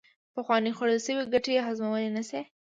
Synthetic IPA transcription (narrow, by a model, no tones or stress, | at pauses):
pəxwɑnixaɽəlʃəwiɡaʈejxazmawəlenase